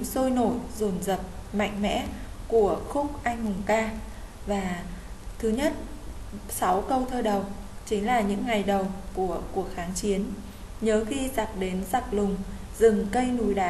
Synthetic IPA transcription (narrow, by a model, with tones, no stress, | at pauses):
so˧jno˧˩zo˨˧˩nzə˨˩p̚ma̰˧˨jŋ̟mɛ̰˧˥ku˧˩əxʊ˦˥k͡p̚ʔa˧jŋ̟hʊ˨˩ŋ͡mkaː˧ | vaː˨˩t̪ʰɨ˨˦ɲə˦˥t̚ | sa˨˦wkə˧wt̪ʰəː˧ɗə˨˩wt͡ɕï˨˦ŋ̟laː˨˩ɲɨ̰˧˥ŋːa˨˩jɗə˨˩wku˧˩əku˨˩ək̚xaː˨˦ŋt͡ɕi˨˦ən | ɲəː˨˦xi˧za˨˩k̚ɗe˨˦nza˨˩k̚lʊ˨˩ŋ͡m | zɨ˨˩ŋkə˧jnu˨˩jɗaː˨˦